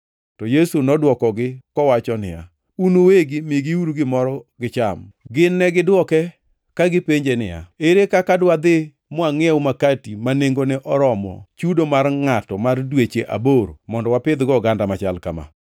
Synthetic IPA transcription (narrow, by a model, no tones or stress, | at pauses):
tɔjesunɔdwɔkɔɡɪkɔwat͡ʃɔnɪ̰ja̰ | unoweɡɪmiɡiuɾuɡɪmɔɾɔɡɪt͡ʃamɡɪnːɛɡɪdwɔkɛ | kaɡɪpeɲd͡ʒenɪ̰ja̰eɾekakadwad̪ɪ | mʊaŋɛʊmakatimaneŋɡonɛʔɔɾɔmɔ̰t͡ʃudomarŋatɔmardwet͡ʃeʔa̰boɾomɔndɔwapɪd̪ɡɔɡandamat͡ʃalkama̰